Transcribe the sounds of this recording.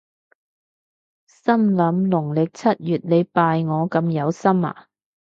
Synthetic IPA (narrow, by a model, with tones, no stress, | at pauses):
sɐ˥mlɐ˨˧˥mlʊ˨˩ŋlɪ˨k̚t͡sʰɐ˥t̚jyː˨t̚le˨˧jpaː˧jŋɔː˨˧kɐ˧mjɐ˨˧wsɐ˥ma̰ː˨˩